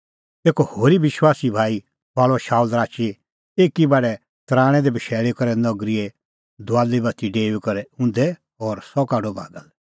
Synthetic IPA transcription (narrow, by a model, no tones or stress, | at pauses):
t̪eːkɔhoːɾiʋɪʃwaːsibʱaːi | ʋaːɭɔʃaːulɾaːt͡ʃe | eːkibaːɖɛ | t̪ɾãːɽ̃ɛ̃d̪ɛbɐʃɛːɭekɔɾɛnɔɡɾie | d̪ʱʊaːlibɐt̪iɖeːʋikɔɾɛʊ̃nd̪ɛ | ɔːɾsɔkaːɖobʱa̰ːɡəl